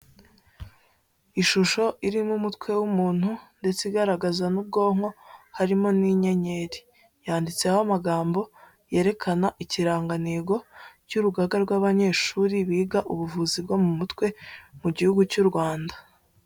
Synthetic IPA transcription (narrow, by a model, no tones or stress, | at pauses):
iʃuʃo̞ʔiɾimumutkwe̞wumuːn̥hunde̞t͡siɡaɾaɡazanub̚ɡo̞ːŋo̞haɾimo̞niɲe̞ɲe̞ɾi | jaːndit͡se̞hamaɡaːmbo̞ | je̞ːɾe̞kʰanaʔiciɾaːŋɡaneːɡo̞cuɾuɡaɡaɾɡwaβaɲe̞ːʃuːɾiβiːɡaʔuβuvuzibɡo̞mumutkwe̞muɟihuɡucuɾɡwaːnda